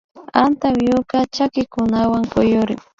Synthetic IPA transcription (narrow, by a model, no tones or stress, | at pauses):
ant̪awjʊkat͡ʃakɪkʊnawaŋkʊjʊɾɪ̰ŋ